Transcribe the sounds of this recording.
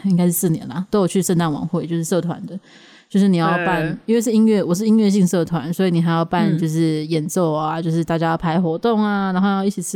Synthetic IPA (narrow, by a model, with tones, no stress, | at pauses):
i˥ŋka˥ɪʂɻ̩˥˧˩sɹ̩˥˩njɛ̰˧˦nlɐ˨t̪o˥ʊjo˨˩ʊt͡ɕʰy˥˧ʂə˥˧nt̪a˥˩nwɑ̰˨˩ŋxwe˥˩ɪt͡ɕjo˥˧ʊʂɻ̩˥˩s̬ɤ˥˩t̪ʰwa̰˧˦nd̪ə˦ | t͡ɕjo˥˧ʊʂɻ̩˥˩i˨˩jɑ˥˧jɑ˥˧pa˥˩ni˥nwe˥˧ɪʂɻ̩˥˩i˦˥nɥɛ˥˩wɔ˨˩ʂ̬̩˥˧i˥nɥɛ˥˧ɕi˥˧ŋsɤ˥˩t̪ʰwa̰˧˦nswɔ˧˥i˧˩ni˨˩xa˧˥ɪ˥jɑ˥˧ʊpa˥˧nt͡ɕjo˥˧ʊʂ̬ɻ̩˥˩jɛ˨˩nt͡so˥˩ʊaa˩t͡ɕjo˥˧ʊʂ̬ɻ̩˥˧t̪a˥˩t͡ɕja˥jɑ˥˩ʊpʰa˧˥ɪxwɔ˧˥t̪ʊ˥˩ŋa˨na˧˥ŋxo˥˧jɑ˥˧ʊi˥˩t͡ɕʰi˨˩t͡s̩ʰ˥